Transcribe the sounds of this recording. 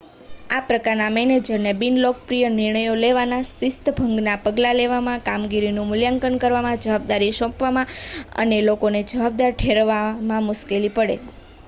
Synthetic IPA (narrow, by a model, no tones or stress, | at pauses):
apɾəkaɾnaməjned͡ʒənebinlok̚pɾijənɪɾɳəjoleʋanasɪst̪əbʱəŋɡnapəɡlaleʋamãkamɡiɾinũmʊljaŋkəɳkəɾʋamãd͡ʒəʋab̚d̪aɾiʃɔ̃pʋamãə̰nelokoned͡ʒəʋab̚d̪aɾʈʰeɾʋamãmʊʃkelipəɽḛ